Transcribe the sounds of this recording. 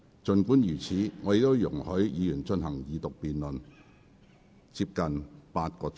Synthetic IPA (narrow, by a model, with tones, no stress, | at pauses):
t͡sɵ˨˧nkuː˨˥njyː˨˩t͡sʰiː˨˥ŋɔ˨˧de˨˧t̪o˥wjʊ˨˩ŋhɵ˨˥ɥjiː˨˧jyː˨˩nt͡ʃnɦɐ˨˩ŋjiː˨˧t̪ʊ˨k̚piː˨nlɵ˨n | t͡siː˧p̚kɐ˨npaː˧t̚kɔː˧